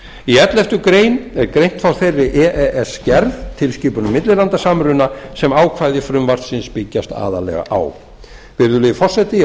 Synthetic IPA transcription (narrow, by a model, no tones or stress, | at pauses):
iɛt̪lɛft̪ʏkɾeːjnɛɾkɾejn̥t̪fawθejrːɪʔɛʔɛɛscɛɾðt̪ʰɪlsciːpʏnʏmːɪt̪lɪlant̪asamɾʏnasɛmaːwkʰvajðɪfɾʏmvaɾ̥t̪sɪnspɪcːast̪a̰ːðalɛ̰ɣa̰ʔa̰w | vɪɾðʏlɪɪfɔr̥sɛt̪ɪ